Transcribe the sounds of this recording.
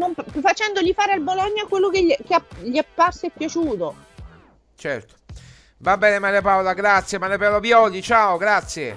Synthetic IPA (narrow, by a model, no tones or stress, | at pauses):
nomfat͡ʃɛnd̪oʎifaːɾealbolɔnːjakwelːokekeaʎiapːarsoepːjat͡ʃuːt̪o | t͡ʃɛrt̪o̥ | vabːɛːnemaɾjapawlaɡɾat̪sːjemaɾjapawlapjɔd̪it͡ʃaːoɡɾat̪sːje